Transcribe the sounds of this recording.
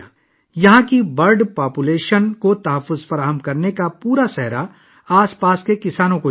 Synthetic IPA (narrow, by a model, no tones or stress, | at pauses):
jɐɦãkibɐɾɖpaːpuleːʃənkot̪ɐɦəfːʊzfɐɾaːɦəmkɐɾnekapuːɾasɛɦɾa | aːspaːskekɪsaːnõko